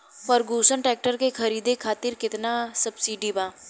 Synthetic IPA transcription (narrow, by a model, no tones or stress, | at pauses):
pəɾɡuːsənʈɾɛːk̚ʈəɾkexʰɐɾiːd̪ʱekʰaːt̪ɪɾkɪt̪nasɐbsiːɖibaː